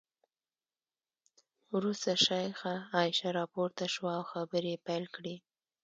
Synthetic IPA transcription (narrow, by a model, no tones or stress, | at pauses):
wɾust̪aʃɑjxaːɪʃaɾɑpoɾt̪aʃwaːwxabəɾepajlkɽi